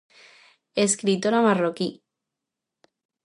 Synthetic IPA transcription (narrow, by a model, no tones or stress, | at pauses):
eskɾit̪oɾamaroki